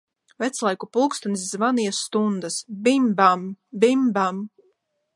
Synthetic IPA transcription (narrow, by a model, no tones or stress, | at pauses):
vɛt̪slˠajkupulˠkst̪ɔniszvanijɛsːt̪und̪asbimbambimbam